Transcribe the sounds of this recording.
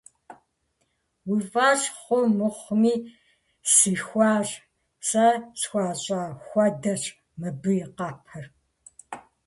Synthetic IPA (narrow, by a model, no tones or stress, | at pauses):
wivaːɕχʷʊmɨχʷmiː | sɨxʷɑːr | sɐt͡sxʷaːɕʼaːxʷɐdɐɕ | mɨbɨjɪqɑːpʰɐr